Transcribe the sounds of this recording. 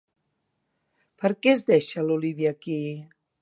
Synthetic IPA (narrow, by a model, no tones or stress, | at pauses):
pəɾkɛzðɛʃəluliβjaki